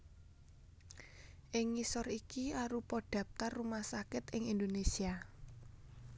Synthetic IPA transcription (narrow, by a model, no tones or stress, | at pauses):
ʔɪŋːisɔrikiaɾupɔɖ̥ä̤p̚t̪arːumahsakɪt̪ɪŋind̪onesia